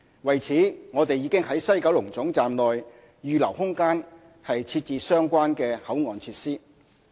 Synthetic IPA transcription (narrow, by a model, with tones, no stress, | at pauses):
wɐ˨˩jt͡sʰiː˨˥ŋɔː˨˧t̪e˨jːiː˨˧kɪ˥ŋhɐ˨˥jsɐ˥jkɐ˨˥wlʊ˨˩ŋt͡sʊ˨˥ŋt͡saː˨mlɔː˨j | jyː˨lɐ˨˩whʊ˥ŋkaː˥n | hɐ˨jt͡sʰiː˧t̚t͡siː˨˧sœː˥ŋkʷaː˥nkɛː˧hɐ˨˥wŋɔː˨˧nt͡sʰiː˧t̚siː˥